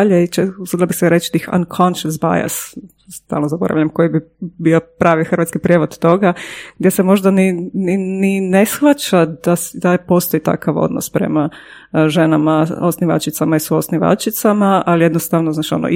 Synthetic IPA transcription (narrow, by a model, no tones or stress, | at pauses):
ʎeit͡ʃeusud̪labisɛɾet͡ʃt̪ixa̰nkʰonʃəsba̰ja̰s | st̪a̰lnozabo̞ɾa̰ʋʎamko̞jibibiopɾaːʋixr̩ʋat̪skipɾʲjeʋod̪̥t̪o̞ɡaɡd̪jesemo̞ʒd̪anininine̞sxʋat͡ʃad̪ad̪apo̞st̪o̞it̪a̰kʰaʋo̞̰d̪no̰spɾe̞̰ma | ʒenamaosniʋa̰t͡ʃit̪samaisuosniʋa̰t͡ʃit̪samaalijed̪nost̪aʋnoznaːt͡ʃio̰no̰